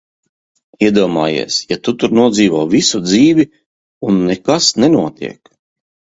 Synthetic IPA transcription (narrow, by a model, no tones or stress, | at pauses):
iɛd̪uɔma̰ːjḭɛsjat̪ut̪uɾnuɔziːvɔːvisud̪ziːvi | unːɛkasnɛnuɔt̪ḭɛk